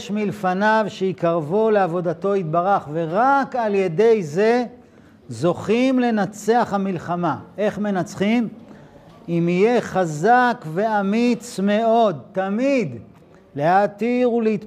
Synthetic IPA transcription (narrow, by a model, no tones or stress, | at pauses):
ʃmilfanavʃeikaʁvule̞avo̞d̪at̪o̞it̪̚baʁaχve̞ʁakalje̞d̪e̞jze̞ | zo̞χimle̞nat͡se̞aχhamilχamae̞χme̞nat͡sχim | imijeχazakve̞amit͡sme̞o̞d̪t̪amid̪ | lehatiʁuleit̪